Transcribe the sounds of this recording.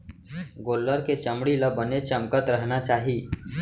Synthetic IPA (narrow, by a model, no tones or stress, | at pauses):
ɡolːəɾket͡ɕəmɽilabənet͡ɕəmkət̪ɾəɦɳat͡ɕaɦiː